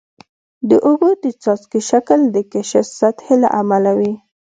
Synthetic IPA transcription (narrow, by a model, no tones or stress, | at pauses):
d̪əʔoɣod̪ət͡sɑskiʃakld̪əkeʃɪfsat̪hela̰ʔamalawi